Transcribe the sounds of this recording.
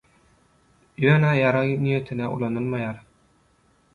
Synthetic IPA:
jøːnæjɑɾɑjnijet̪ʰinæʔṵlˠɑnɯlˠmɑjɑːɾ

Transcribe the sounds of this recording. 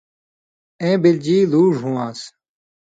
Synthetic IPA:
ẽːbɪld͡ʑiːluːʐɦũːãːs

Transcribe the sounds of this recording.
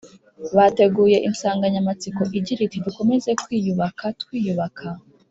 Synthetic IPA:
βate̞ɡuːje̞ʔinsaːŋɡaɲamat͡siko̞ʔiɟiɾitidiko̞me̞ze̞kwiːjuβakʰatkwiːjuβakʰa

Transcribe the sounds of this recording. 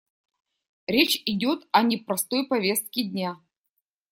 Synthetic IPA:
ɾʲet͡ɕɪdʲo̞t̪ɐnʲɪpɾɐst̪o̞jpɐvʲe̞st̪̚kʲɪdʲnʲa

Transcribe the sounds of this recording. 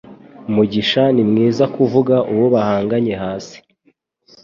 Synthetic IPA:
muɟiʃanimŋiːzakuvuɡaʔuwoβahaːŋɡaɲe̞ɦaːsi̥

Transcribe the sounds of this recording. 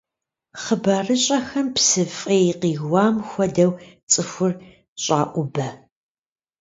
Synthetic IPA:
χəbɐrɨɕʼɐxɐmpsɨfʼeːqiːɣwɑːmxʷɐdɐw | t͡sʼɨxʷʊr | ɕʼa̰ːʔʷʊbɐ

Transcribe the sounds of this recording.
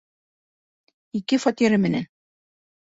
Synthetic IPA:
ikɘfɒt̪iɾɘmɘ̆næ̰n

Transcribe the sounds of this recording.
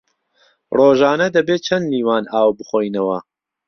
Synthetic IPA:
roːʒaːnɐd̪ɐbeːt͡ʃʰɐnːiːwaːnaːwbɨχoːjnɐwɐ

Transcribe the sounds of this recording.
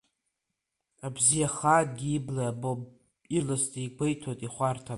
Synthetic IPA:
abzijaχaːtʼɡʲiiblaabob | ilɨstʰʼiikʷʰejtʰotʼiχʷartʰa

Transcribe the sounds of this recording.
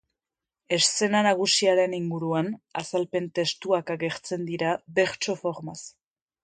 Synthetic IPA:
e̞sse̞nanaɣusiaɾe̞niŋɡuɾuana̰salpe̞nt̪e̞st̪uakaɣe̞ɾt͡se̞nd̪iɾabe̞ɾt͡ʃo̞fo̞ɾmas

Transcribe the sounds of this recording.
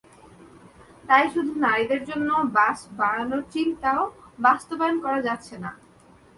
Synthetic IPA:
t̪ajʃud̪ʱunaɾid̪eɾd͡ʑonːobasbaɽanot͡ɕint̪aobast̪obankɔɾad͡ʑat̪ːɕʰena̰

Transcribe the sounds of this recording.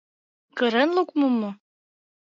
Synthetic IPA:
kɤ̆ɾɤnlukmomːo

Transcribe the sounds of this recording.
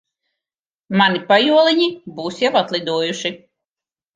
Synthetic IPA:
manipajuɔlˠiɲibuːsjawat̪lˠid̪uɔjuʃi

